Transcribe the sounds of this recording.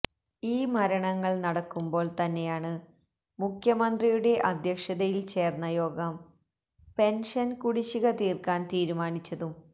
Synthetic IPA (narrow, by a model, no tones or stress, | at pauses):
iːmɐɾɐɳɐŋːɐɭnɐɽɐkːumbo̞ːɭt̪ɐnːe̞jaːɳɨ | mukʰjɐmɐnd̪rijuɽe̞ʔɐd̪ʱjɐkʂɐðɐjilt͡ɕe̞ːrnːɐjo̞ːɡɐm | pe̞nʂɐnkuɽiɕiɣɐt̪iːrkaːnt̪iːɾumaːnit͡ɕːɐðum